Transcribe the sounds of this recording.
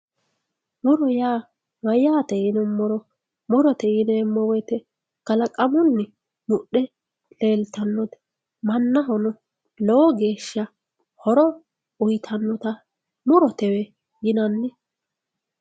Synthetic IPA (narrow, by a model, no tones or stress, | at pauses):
mʊɾɔjaː | mɐjaːt̪ɛɪnɛmːʊɾɔ | mʊɾɔt̪ɛɪnɛːmːɔwɛjt̪ɛ | kɐlɐkʼɐmɔnːɪ | mʊɗɛ | le̞ːlt̪ɐnːɔt̪ɛ̥ | mɐnːɐɦɔnɔ | lɔwɔɡe̞ːʃːɐ | hɔɾɔ | ʊjt̪ʰɐnːɔt̪ɐ | mʊɾɔt̪ɛwɛ | jɪnɐnːɪ